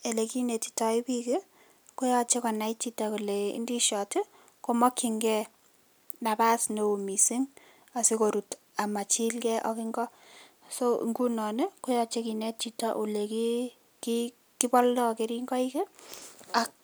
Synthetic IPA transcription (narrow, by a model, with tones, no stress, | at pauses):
e˨le˨ki˦ne˨ti̥˨tɔ˨i˦pi˦ke˦ | ko˦jɔ˦t͡ʃe˦kɔ˨na˨it͡ʃi˦taku˨le˨ḭ˦ndi˦ʃɔ˨tɪ˦ | komɔ˦kːi˨ŋɡɛ˦ | na˨pa˦sneu˨mi˨si˦ŋ | a˨si˦ko˨ɾu˨t | a˨ma˨t͡ʃi˦lkɛ˦ʔɔ̰˦kɪ˦ŋɡɔ˦ | so̰˦ŋɡu˦nɔ˨ne˦kʊ˦jɔ˦t͡ʃe˦ki˨nɛ˦t͡ʃi˨ta̰˦ʔu˨le˨ki | ki | ki˦bɔ˦ldɔ˦ke˨ɾi˦ŋɡɔ˦ike˦a˨k̚